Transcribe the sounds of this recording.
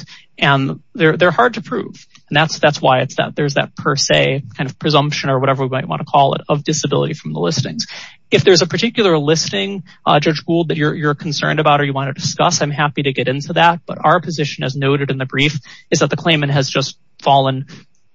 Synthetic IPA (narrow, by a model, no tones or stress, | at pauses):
ɨ̃nðə˞ðə˞hɑɹd̚tʰɨpʰɹ̥ṵṽ̥n̩ðætsðætswaɪɨtsðɨ̰t̪̚ðə˞zðɨ̰t̚pʰə˞seɪkʰãɪ̃nʌv̥pʰɹ̥ɨzʌ̃mpʃɨ̃nə˞wʌɾɛvə˞wimaɪt̚wɑ̰̃ntʰəkʰɔlˠə̰ɾʌvdɨsɨbɪ̰lˠə̰ɾifɹʌ̃mðə̰lɪsnɪ̰̃ŋz̥ | ɨfðə˞zɨpʰə˞tʰɪkjl̩ˠə˞lɪstɪ̃ŋ | d͡ʒʌd͡ʒɡulˠd̚ðɨt͡ʃə˞jə˞kʰn̩sɜ̰̃˞ndɨbaʊɾə˞jɨwɑ̃ntɨdɨskʌsãɪ̃mɦæpiɾɨɡɛɾɪ̃ntʰʉðæt̚b̥ʌ̰ɾʔa̰ʊə˞pʰɨzɪʃɨ̃nɨ̰znoʊɾɨɾɨ̃nðɨbɹifɨzðɨt̪̚ðɨkʰl̥ẽɪ̃mɨ̃nʔ̚ɦɨzd͡ʒʌst | fɔlˠə̃n